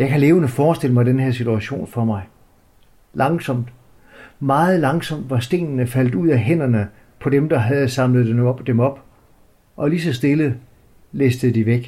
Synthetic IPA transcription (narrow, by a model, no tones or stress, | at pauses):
jɑ̈ɪkʰæle̝ːʊənəfɒːsd̥e̝l̰əmɑ̈ɪd̥enheɐsit͡sʰuæɕo̝̰ːnfɒmɑ̈ɪ | lɑ̈ŋsɒ̽m̰d̥ | mɑ̈ːð̞̩ˠlɑ̈ŋsɒ̽m̰d̥ʋɑ̈sd̥e̝̰ːnnəfæl̰d̥uð̞̰ˠæɦen̰ɐnə | pʰɒ̽demd̥ɑ̈ɦæð̞̩ˠsɑ̈mləð̞̩ˠd̥emɒ̽b̥ | ʔɒ̽lisɒ̽sd̥e̝lə | lesd̥ð̩ˠd̥iʋeɡ̥